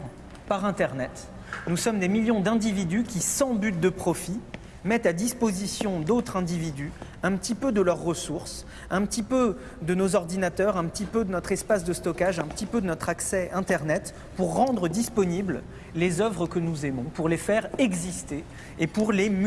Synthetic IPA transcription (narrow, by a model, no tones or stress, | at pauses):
paʁɛ̃t̪ɛʁnɛt̪ | nusɔmd̪emiljɔ̃d̪ɛ̃d̪ivid̪ykʲisɑ̃byt̪̚d̪əpχɔfi | mɛt̪ad̪ispozisjɔ̃d̪ot̪χɛ̃d̪ivid̪y | ɛ̃pət̪ipød̪əlœʁːəsuʁs | ɛ̃pət̪ipø | d̪ənozɔʁd̪inat̪œʁɛ̃pət̪ipød̪ənɔt̪χɛspasd̪əst̪ɔkaʒɛ̃pət̪ipød̪ənɔt̪χaksɛɛ̃t̪ɛʁnɛt̪ | puʁːɑ̃d̪ʁəd̪ispɔnibl | lezœvʁəkənuzemɔ̃puʁlefɛʁɛɡzist̪eː | puʁlem